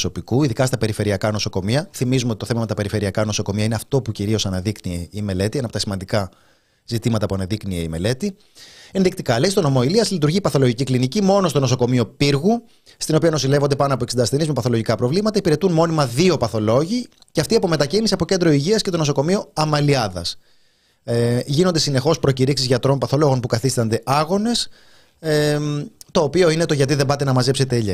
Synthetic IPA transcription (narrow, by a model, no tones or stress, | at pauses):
so̞pikuiðikɐst̪ɐpe̞ɾife̞ɾiɐkɐno̞so̞ko̞miɐθimizumeot̪it̪oθemɐme̞t̪ɐpe̞ɾife̞ɾiɐkɐno̞so̞ko̞miɐine̞ɐft̪o̞puciɾio̞sɐnɐðiknieime̞le̞t̪iɐnɐpo̞t̪ɐsimɐnd̪ikɐ | zit̪imɐt̪ɐpuɐnɐðiknieime̞̰le̞t̪i | e̞nðik̚t̪ikɐleist̪ono̞mo̞iliɐzlit̪uɾʝipɐθo̞lo̞ʝiciklinicimo̞no̞st̪o̞no̞so̞ko̞mio̞piɾɣu | st̪ino̞piɐno̞sile̞vo̞nd̪e̞pɐnoɐpoeksind̪ɐst̪enizmepɐθo̞lo̞ʝikɐpɾo̞vlimɐt̪ɐipiɾe̞t̪unmo̞nimɐðio̞pɐθo̞lo̞ʝi | ceɐft̪iɐpo̞me̞t̪ɐcinisiɐpo̞ce̞nd̪ɾo̞iʝiɐsce̞t̪o̞no̞so̞ko̞mio̞ɐmɐliɐðɐ̰s | ʝino̞nd̪e̞sine̞xo̞spɾo̞ciɾiksizʝɐt̪ɾo̞npɐθo̞lo̞ɣo̞npukɐθist̪ɐnd̪e̞ʔɐɣo̞ne̞s | t̪o̞ːpio̞ine̞t̪o̞ʝɐt̪iðe̞bɐt̪e̞nɐmɐzepse̞t̪eʎe